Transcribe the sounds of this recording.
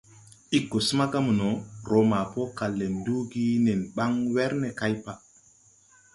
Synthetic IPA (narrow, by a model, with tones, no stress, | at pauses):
i˦kːo˨su˦ma˦ɡa˦mu˨no˨ɾo˨ma˨po˦ka˨lːe˨ndu˦ɡi˦ne˨nɓa˦ŋwɛ˦ɾne˨ka˦jpa˨